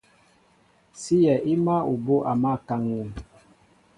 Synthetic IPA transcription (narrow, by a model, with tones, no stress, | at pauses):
si˦jɛ˨ʔi˦ma˦u˨bo˦ʔa˨ma˦˨ka˦ŋwu˦˨